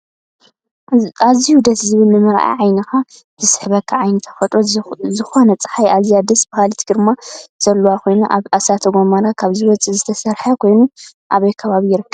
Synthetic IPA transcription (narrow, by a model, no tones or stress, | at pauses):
aziud̪ɐt̪zɨβɨlnɨmɨɾʔa̰ʕajnixa | b̥ɨsħɨβɐkʰːaʕajnɨt̪ʰɐ̥fɐt̪ʼɾozɨxonɐt͡sʼɨ̥ħajazijad̪ɐsbɨkalit̪ʰɡɾɨmaz̥ɐlːuwakʰo̞jnuʔaβasat̪ʰɐɡomaɾakʰaβzɨwɔt͡sʼizɨt̪ʰɐsɐɾħɐkʰo̞jnu | ʔaβɐjkʰɐβaβijɪɾɨkːɐβ